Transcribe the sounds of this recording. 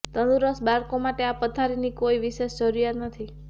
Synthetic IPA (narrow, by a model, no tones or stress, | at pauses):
t̪ənd̪uɾəsbaɾkomaʈeapət̪ʰaɾinikoiʋiʃeʃt͡ʃəɾujat̪nət̪ʰi